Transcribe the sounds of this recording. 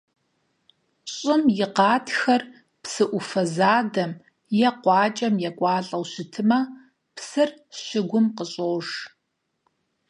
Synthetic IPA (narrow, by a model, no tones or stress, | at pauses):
ɕʼɪmjɪqɑːtʰxɐr | psɨʔʷʊfɐzaːdɐm | jɛqʷɑːt͡ʃʼɐmjɛkʷʼɑːɬʼɐwɕɪtʰɨmɐ | psɨrɕɪɡʷʊmqəɕʼoːʒ